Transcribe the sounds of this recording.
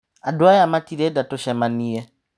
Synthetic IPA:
adoajamatiɾedatoʃɛmaniɛ

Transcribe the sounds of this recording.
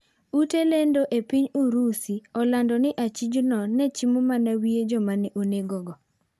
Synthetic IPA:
utelendoʔepiɲuɾusiɔlandɔnɪʔat͡ʃid͡ʒunɔnɛt͡ʃimomanawied͡ʒɔmanɛʔoneɡɔɡɔ

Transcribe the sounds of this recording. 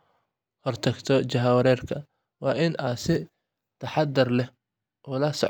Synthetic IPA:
hɔrt̪ʰɐɡt̪ʰɔt͡ʃɐɦɐwɐɾɛːrkʰɐ | wɑːʔɪnʔɐːsɪ | t̪ʰɐħɑd̪ɪrlɛh | ʔuːlɐsɔ̰ʕ

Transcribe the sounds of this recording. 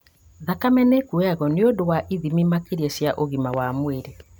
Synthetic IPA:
ðakamɛnɛkuɛaɣɔneodowaʔiðimimakeɾiɛɕjaʔoɣimawamweɾe

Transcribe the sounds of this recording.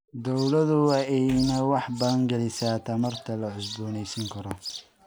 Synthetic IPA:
d̪ɔwlɐðʊwɑɛjnɐwɑħbɐðɐŋɡɐlɪsaːt̪ʰɐmɐrt̪ʰɐlɐʕʊsbuːnɛjsɐŋkʰɐɾɔ

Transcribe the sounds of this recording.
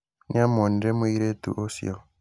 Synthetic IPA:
njamoniɾemiɾetṵʔosḭo

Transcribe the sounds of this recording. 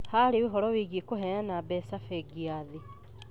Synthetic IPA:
haɾeweɦɔɾɔweɣiekoɦɛanabɛsafɛɡiaðe

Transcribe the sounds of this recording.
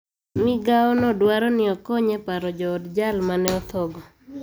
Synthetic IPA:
mɪɡaɔnɔdwaɾɔnɪɔkɔɲɛpaɾɔd͡ʒɔːdd͡ʒalmanɛɔt̪ɔɡɔ

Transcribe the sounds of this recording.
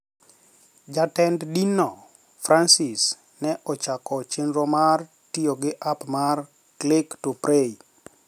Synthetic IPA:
d͡ʒatɛnddinɔ | fɾʔansis | nɛʔɔt͡ʃakɔt͡ʃenɾɔmar | tioɡɪʔapmar | klektupɾei

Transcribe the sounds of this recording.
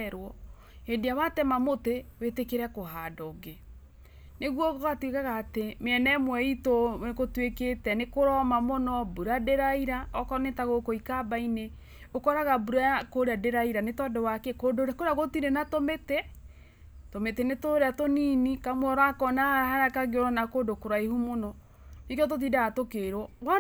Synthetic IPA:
ɾwɔ | hediawatɛmamotewetekeɾɛkoɦadɔɡe | neɣwɔkɔɣatwekaɣaːtemeɛnɛmwɛitoekotweketɛnekoɾɔmamɔnɔbuɾadeɾaiɾaɔkɔnetaɣokoikabaine | okɔɾaɣabuɾakoɾeadeɾaiɾanetɔdɛwakɛkoːdoɾakoɾeaɣotiɾenatometɛ | tometenetoɾeatoninikamwɔɾakɔnahaahaɾakaɣeoɾanakoːdokoɾaihumonɔ | nikɔt̬ot̬iːdaatokeɾɔwa

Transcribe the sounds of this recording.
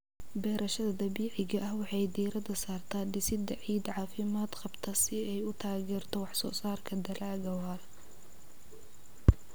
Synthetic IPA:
bɛːɾʔɐʃɐðɐd̪ɐbiːʕɪɣɐʔɐhwɑħɑjd̪iːɾɐd̪ɐsaːrt̪ʰaːd̪ɪsɪd̪ɐʕiːd̪ʕɑːfɪmaːd̪qɑbt̪ʰɐsɪɛjʊt̪ʰaːɣɛːrt̪ʰɔwɑħsɔ̰ːsaːrkʰɐd̪ɐlaːɣɐwaːr

